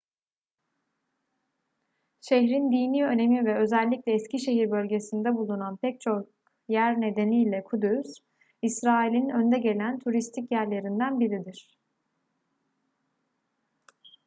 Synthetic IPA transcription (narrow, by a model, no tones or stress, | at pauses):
ʃeçɾind̪iniø̞ne̞mivɛø̞zɛlʲːiclʲɛːsciʃe̞ɦiɾbø̞lʲɟe̞sind̪ɛbulˠunanpʰɛc̚t͡ʃʰo̞k | jæɾne̞d̪e̞niːlʲɛkʰud̪ys | isɾaːilʲinø̞nd̪ɛɟe̞lʲænt̪ʰuɾist̪ʰicjæɾlʲe̞ɾind̪ænbiɾid̪iɾ̥